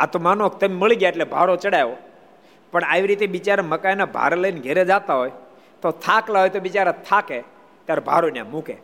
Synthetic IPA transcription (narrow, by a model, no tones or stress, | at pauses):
at̪omanokt̪əmeməɭiɡjaeʈlebʱaɾot͡ʃəɽajʋo | pəɳaʋiɾit̪eʋit͡ʃaɾeməkajnabʱa̰ɾləinɡʱeɾed͡ʒat̪aɦoj | t̪ot̪ʰaklaɦojt̪oʋit͡ʃaɾet̪ʰake | t̪jaɾebʱa̰ɾonjã̰mũkʰe